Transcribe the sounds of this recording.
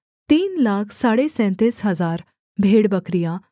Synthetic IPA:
t̪iːnlakʰsaɽesɛ̃nt̪esɦəd͡zaɾ | bʱeɽbəkɾija

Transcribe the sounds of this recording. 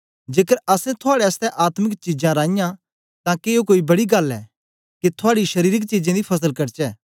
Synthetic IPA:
d͡ʒeːkəɾɐsɛ̃t̪ʰʊaːɽɛɐst̪ɛʔaːt̪mɪkt͡ʃid͡ʒãɾãːɪ̃jã | t̪ãkeːokoːibɐɽiɡɐlɛ̰ː | kit̪ʰʊaːɽiʃɐɾiːɾɪkt͡ʃid͡ʒẽd̪ipʰɐsəlkɐɾt͡ʃɛː

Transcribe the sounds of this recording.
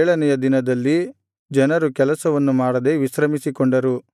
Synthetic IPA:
ɭɐnɛjɐd̪inɐd̪ɐlːi | d͡ʒɐnɐɾukɛlɐsɐʋɐnːumaːɽɐd̪e̞ʋiʃɾɐmisikoɳɖɐɾu

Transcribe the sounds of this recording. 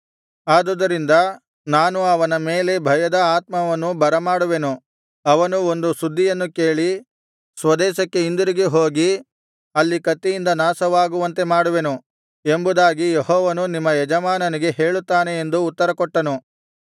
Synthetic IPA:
aːd̪ɐd̪ɐɾind̪ɐ | naːnuɐʋɐnɐmeːlebʱɐjɐd̪ɐaːt̪̚mɐʋɐnːubɐɾɐmaːɽuʋe̞nu | ɐʋɐnuo̞nd̪usud̪ʱːijɐnːuke̞ːɭi | sʋɐd̪ɛːʃɐkːe̞ind̪uɾiɡeɦoːɡi | ɐlːikɐt̪ːijind̪ɐnaːsɐʋaːɡuʋɐnt̪e̞maːɽuʋe̞nu | embud̪aːɡijeɦhɔːʋɐnunimːɐjɛd͡ʒɐmaːnɐniɡe̞ɦeːɭut̪ːaːne̞end̪uːt̪ːɐɾɐkɔʈːɐnu

